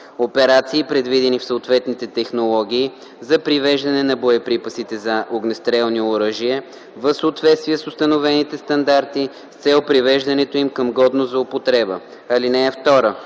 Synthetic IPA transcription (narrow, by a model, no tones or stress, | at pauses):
opɛɾat̪siːpɾɛd̪vid̪ɛnifsəot̪vɛt̪nit̪ɛt̪ɛxnolˠɔɡ̟ʲiː | zɐpɾivɛʒd̪ɐnɛnɐboɛpɾipəsit̪ɛzɐʔoɡnɛst̪ɾɛlˠnioɾɤʒiə | vəfsəːt̪vɛt̪st̪viəsʊst̪ənovɛnit̪ɛst̪ɐnd̪aɾt̪i | ft̪sɛlˠpɾivɛʒd̪ɐnɛt̪oimkəmɡɔd̪nozɐopot̪ɾɛbə | ɐlinɛːft̪ɔɾə